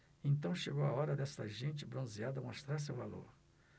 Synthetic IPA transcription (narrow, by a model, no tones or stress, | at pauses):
ẽnt̪ɐ̃w̃ʃeɡowaɔɾɐd̪ɛst̪ɐʒẽnt͡ʃɪbɾõziad̪ɐmost̪ɾaɾs̬ewvalo̰ɾ